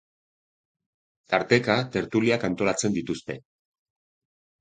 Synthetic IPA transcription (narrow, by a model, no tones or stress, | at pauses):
t̪aɾt̪e̞kat̪e̞ɾt̪uliakant̪o̞lat͡se̞nd̪it̪ust̪e̞